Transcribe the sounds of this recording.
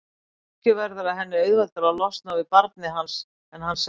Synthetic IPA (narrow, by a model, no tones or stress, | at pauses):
cʏvɛɾðʏɾaðɦɛnːɪœɥðvalt̪aɾalɔst̪nawvɪpaɾt̪̚nɪɦans | ɛnhans